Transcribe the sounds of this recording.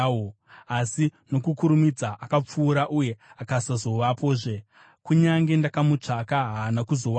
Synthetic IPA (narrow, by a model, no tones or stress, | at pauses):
o | asino̞kukuɾumid͡zaʔakap͡fuːɾaʔuje̞akasazo̞ʋapoːʐe̞ | kuɲaŋɡe̞ndakamut͡ʂakaɦaːnakuzo̞w